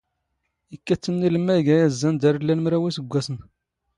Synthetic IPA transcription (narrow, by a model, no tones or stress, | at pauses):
ikːæt͡sːənːiləmːæjɡæjæzːænd̪æɾlːælmɾæwisəɡʷːæsən